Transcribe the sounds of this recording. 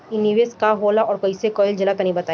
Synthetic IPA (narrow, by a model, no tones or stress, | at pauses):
ɪniʋeskaɦoːlaɔːɾkɐisekɔːjɪld͡ʒɐlakɐnĩbɐt̪aː